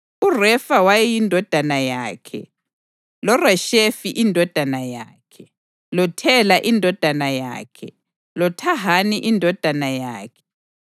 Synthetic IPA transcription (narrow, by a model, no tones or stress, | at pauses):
urɛfawajɛjindʱɔd̥ʱanajaːkʰɛ̰ | lɔrɛʃefiʔindʱɔd̥ʱanaja̰ːkʰɛ | lɔtʰɛlaʔindʱɔd̥ʱanaja̰ːkʰɛ | lɔtʰaɦaniʔindʱɔd̥ʱanajaːkʰɛ̥